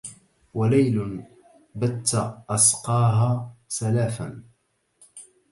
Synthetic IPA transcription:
walajlʊ | bat̪ːaʔɑsqɑːɦaːsalaːfa̰n

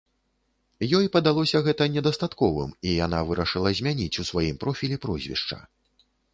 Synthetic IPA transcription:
jɔjpɐd̪alˠɔsʲɐɣɛt̪ɐnʲɛd̪ɐst̪at̪kɔvɨ̰mijan̪avɨɾɐʂɨlˠɐzʲmʲanʲit͡sʲusvajimpɾɔfʲilʲipɾɔzʲvʲḭʂt͡ʂɐ̰

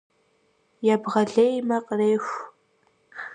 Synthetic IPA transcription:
jabʁɐɮejmɐqʼreːxʷ

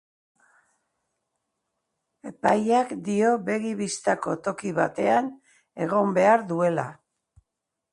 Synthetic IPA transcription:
e̞pajakd̪io̞βe̞ɣiβist̪ako̞t̪o̞kiβa̰t̪e̞an | e̞ɣ̞o̞mbe̞aɾðue̞la

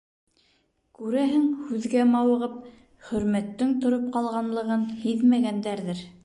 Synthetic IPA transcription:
kʉɾæɦɘŋhʉðɡæmɑwɤ̆ʁɤp̚ | χɵ̆ɾmæt̪ːɘŋt̪ŏɾop̚qɑlˠʁɑnlˠɤ̆ʁɤnhiðmæɡænd̪æɾðɘɾ

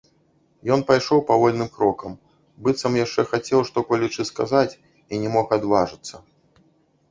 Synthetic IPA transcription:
jɔnpajʂɔwpavɔlʲnɨmkɾɔkɐm | bɨt̪sɐmjaʂt͡ʂɛxat͡sʲɛwʂt̪ɔpɔlʲit͡ʂɨskazat͡sʲ | inʲɛmɔxad̪vaʐɨt̪sːɐ

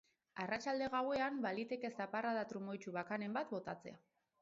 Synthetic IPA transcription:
arat͡ʃald̪e̞ɣawe̞ambalit̪e̞ke̞st̪aparaðat̪ɾumo̞jt͡ʃuβakane̞mbat̪bo̞t̪at͡se̞̰a

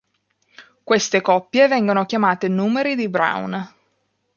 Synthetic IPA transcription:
kwest̪ekɔpːjevɛŋɡonokjamaːt̪enuːmeɾid̪ibɾa̰wn

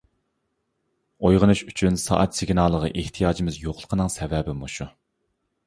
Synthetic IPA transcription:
ojʁənuʃyt͡ʃʰynsɑ̰ːʔɑt̪sɪɡnɑːlˠəʁəʔeht̪ʰijɑːd͡ʒimɪzjoqlˠə̥qʰənɨŋsɛvɛbɪmuʃu

